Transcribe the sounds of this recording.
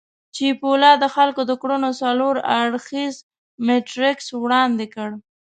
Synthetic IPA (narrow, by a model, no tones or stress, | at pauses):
t͡ʃipolɑd̪əxalkod̪əkɽunosaloɾaɽxiz | meʈɾɪkswɽɑnd̪ɪkəɽ